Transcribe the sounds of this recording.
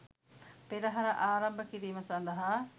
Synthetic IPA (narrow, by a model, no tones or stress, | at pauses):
peɾɐɦɐɾɐʔaːɾɐmbɐkiɾiːmɐsɐnd̪ɐɦaː